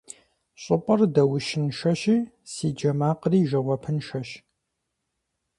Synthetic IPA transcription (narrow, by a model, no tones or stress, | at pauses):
ɕʼɨpʼɐrdɐwʊʃɪnʃɐʃiː | siːd͡ʒɐmaːqriːʒɐwɐpʰɨnʃɐʃ